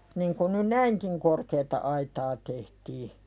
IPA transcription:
niŋ ku ny næiŋkiŋ korkeːtɑ ɑitɑː tehtiː

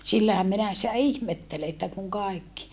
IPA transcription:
silːæhæm minæ sĭtæ ihmetːele etːæ kuŋ kɑˑikːi

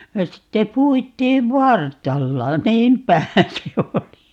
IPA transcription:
jɑ sitːe puitˑiːʋ ʋɑrtˑɑlːɑ niːmpˑæhæ se oli

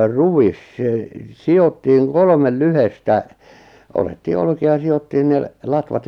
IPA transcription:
ruwis seˑ siotːiːŋ kolŏmel lyhestæ otetːiː olkiɑ jɑ siotːiːn ne lɑtʋɑt

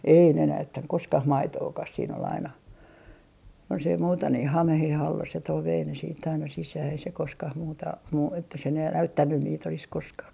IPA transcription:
ei ne næytːæŋ koskɑh mɑitoːkɑs siːn ol ɑinɑ jos ei muːtɑ ni hɑmeheh ɑlːɑ se toi ʋei ne siːtː ɑinɑ sisæː ei se koskɑh muːtɑ muː etːæ se ne l næytːænːyn niːt olis koskɑː

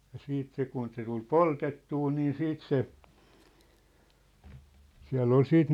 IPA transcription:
jɑ siːt se kun se tul poltetːuː niːn siːt se siæ̝lː ol siːt

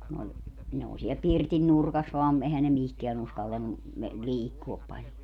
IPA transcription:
kun olʲ ne oː siɛl pirtin nurkɑs ʋɑːm ehæn ne mihkeæn uskɑltɑnːu me liːkːuop pɑlʲjo

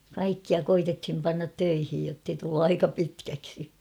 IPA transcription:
kɑikːiɑ koitethim pɑnːɑt tøihij jotːei tulːu ɑikɑ pitkæksi

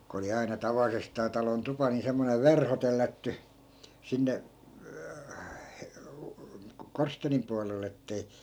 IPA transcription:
ko oli ɑinɑ tɑʋɑlisestɑː tɑlon tupɑ ni semːoneʋ̆ ʋerho telːætːy sinːe korsteːnim puɑlelˑ etːei

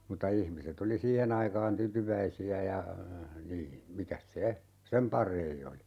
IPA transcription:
mutːɑ ihmiset oli siːhen ɑikɑːn tytyʋæisiæ jɑ niː mikæs se sem pɑrei oli

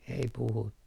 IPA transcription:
ei puhutːu

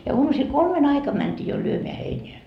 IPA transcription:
jɑ uɑmusil kolmen ɑikɑm mæntʲiː jo lyømeæ heineæ

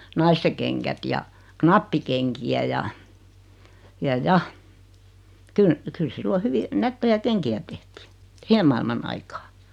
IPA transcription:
nɑiste keŋkæt jɑ knɑpːikeŋkiæ jɑ jɑ jɑ ky kyl silːo hyʋi nætːejæ keŋkiæ tehtiː sihem mɑilmɑn ɑikɑː

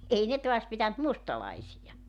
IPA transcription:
ei ne toɑs pitænt mustɑlɑisijɑ

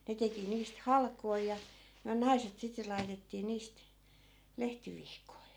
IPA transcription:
ne teki niːst hɑlkoi jɑ myæ nɑiset sitːe lɑi̯tetːiː niːst lehtiʋihkoi

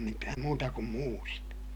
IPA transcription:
mitæːm muːtɑ kum muːrit

